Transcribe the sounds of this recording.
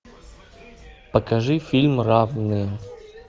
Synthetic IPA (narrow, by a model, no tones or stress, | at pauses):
pəkɐʐɨfʲilʲmravnɨjə